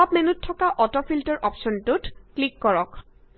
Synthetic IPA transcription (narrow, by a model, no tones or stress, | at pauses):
ap̚mɛnutʰːɔkaʔɔtɔpʰiltɔɹʔɔpʃɔntʊtklikːɔɹɔk